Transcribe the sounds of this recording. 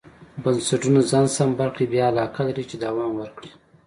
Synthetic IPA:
bansaʈunazɑnsambaɾqibjɑalɑkalaɾit͡ʃed̪awɑmwəɾkɽi

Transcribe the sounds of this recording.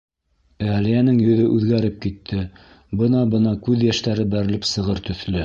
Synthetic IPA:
ælijænɘŋjɵ̆ðɵʔʉðɡæɾɘp̚kit̪ʰːɘ | bɤnɑbɤnɑkʉðjæʃt̪æɾɘbæɾɘ̆lɘpsɤ̆ʁɤɾt̪ɵ̆θlɘ

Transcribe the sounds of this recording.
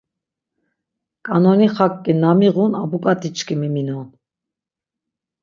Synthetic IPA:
kʼanɔniχakʼːinamiʁunabukʼat̪ʼit͡ʃʰkʰʼimiminɔn

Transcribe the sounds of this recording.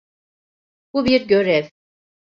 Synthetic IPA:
b̥ubiɾɟø̞ɾɛv

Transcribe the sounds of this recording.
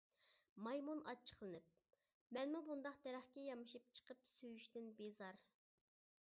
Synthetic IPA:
mɑjmunɑ̰t͡ʃʰə̥qlˠɨnɨp̚ | mɛnmubund̪ɑq̚d̪ɛɾæχkʲɛjɑmɨʃɨp̚t͡ʃʰə̥qəpsøjyʃt̪ɪnbezɑɾ

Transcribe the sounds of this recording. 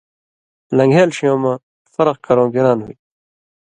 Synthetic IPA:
lɐ̃ŋɡʱeːlɕijõːmã | fɐɾʌq̚kɐɾõːɡeɾaːnɦṵi

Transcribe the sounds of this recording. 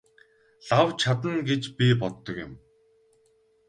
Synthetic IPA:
ɮawt͡ɕʰat̪ə̆nɡet͡ɕpʲipɔt̪ːɞ̆kɪ̰̆m

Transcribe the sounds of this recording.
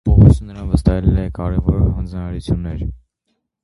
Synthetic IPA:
pɔɦɔsənːəɾɑnvəst̪ɑɦɛlɛlɛkɑɾɛvɔɾɦɑnd͡znɑɑɾut͡sʰjunːɛɾ

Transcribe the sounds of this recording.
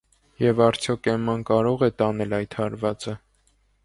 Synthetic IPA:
jɛvɑɾt͡sʰjɔkʰɛmɑnkɑɾɔʁɛt̪ɑnɛlɑjt̪ʰhɑɾvɑt͡sə

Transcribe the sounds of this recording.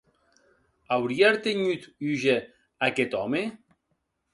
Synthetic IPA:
awɾiaɾt̪eɲyt̪yʒe | aket̪ɔme

